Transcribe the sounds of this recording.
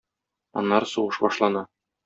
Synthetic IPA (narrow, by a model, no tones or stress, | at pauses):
ɒ̰nːɑɾsuʁɤʃbɒʃlˠɑnɑ